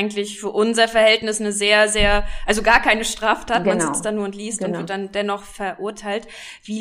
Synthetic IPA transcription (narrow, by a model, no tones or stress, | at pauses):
ɡŋ̩tlɪçfyːɐʔʊnzɐfɛɐhɛltnɪsnəzeːɐzeːɐʔalzoɡaːɐkʰaɪnəʃtʁ̥aːftʰaːtmanistd̥anuːɐntliːstʊntvɪɐtd̥andɛnɔχfɛɐʔʊɐtʰaɪlt | v̥iː